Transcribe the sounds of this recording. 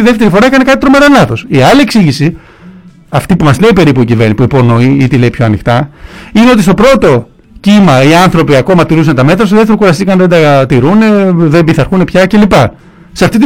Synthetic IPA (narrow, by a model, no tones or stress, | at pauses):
iðeft̪e̞ɾifo̞ɾɐekɐnekɐt̪it̪ɾo̞me̞ɾɐlɐθo̞siɐlieksiʝisi | ɐft̪ipumɐzle̞ipe̞ɾipuicive̞ɾnipuipo̞no̞iit̪ile̞ipço̞ɐnixt̪ɐineo̞t̪ist̪o̞pɾo̞t̪o̞ | cimɐiɐnθɾo̞piɐko̞mɐt̪iɾus̬ɐnet̪ɐme̞t̪ɾɐstoðet̪eɾo̞kuɾɐsikɐnðend̪ɐt̪iɾune̞ðebiθɐɾxune̞pçɐce̞lipɐ | seɐft̪it̪i